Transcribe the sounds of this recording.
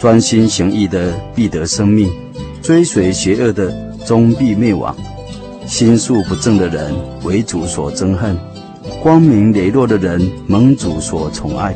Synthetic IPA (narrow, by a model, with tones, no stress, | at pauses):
t͡swa˦nɕi˦nɕji˧˥ŋi˥˩d̪ə˨pi˥˩t̪ə˨˦ʂə˦ŋmi˥˩ŋ | t͡swe˥ɪswe˨˩ɪɕɥɛ˨˧˥ʔə˥˩d̪ə˨ | t͡so˦ŋpi˥˧me˥˩ɪwɑ̰˨˩˦ŋ | ɕi˦nsu˥˩pu˨˦˥t͡sə˥˩ŋd̪ə˨ɻə̰˧˦n | we˧˦ɪt͡su˨˩swɔ̰˨˩t͡sə˥ŋxə˥˨n | kwɑ˦ŋmi˧˥ŋle˨˩ɪlwɔ˥˩d̪ə˨ɻə˨˦nmə˨˥ŋt͡su˨˦swɔ˨˩t͡sʰʊ˨˥ŋa̰˥˩ɪ